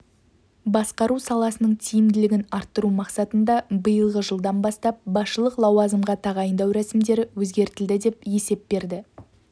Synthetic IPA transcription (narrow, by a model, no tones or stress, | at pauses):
bɑsqɑɾusɑlˠɑsənəɴt̪ʰijɪmd̪ɪlɪɡʲɪnɑɾt̪ːəɾumɑqsɑt̪ənd̪ɑbəjəlˠʁəʒəlˠd̪ɑnbɑst̪ɑp̚bɑsʃəlˠəqlˠɑwɑzəmʁɑt̪ʰɑʁɑjənd̪ɑwɾæsɪmd̪e̞ɾɪwɵzɡʲe̞ɾt̪ɪld̪ɪd̪e̞pje̞se̞p̚be̞ɾd̪ɪ